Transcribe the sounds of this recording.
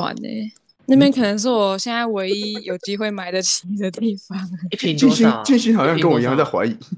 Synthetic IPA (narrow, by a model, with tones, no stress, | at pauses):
wa̰˨˩nḛ˧˦ | na˥˩pjɛ˥nkʰɤ˨˩nə˧˥ŋʂ̬ɻ̩˥˩wɔ˨˩ɕjɛ˥˧nt͡sa˥˩ɪwe˧˥ɪi˧˥jo˨˩ʊt͡ɕi˥xwe˥˩ɪma˧˥ɪd̪ə˨t͡ɕʰi˧˥d̪ə˧t̪i˥˩fɑ˩˦ŋ˧t͡ɕi˥˩nɕi˥ŋt͡ɕy˥˩ɕi˥xɑ˨ʊɕjɑ˥˧ŋkə˥nwɔ˨˩i˧˥jɑ˥˧˦t͡sa˥˩xwa̰˧˥ɪi˨˩˦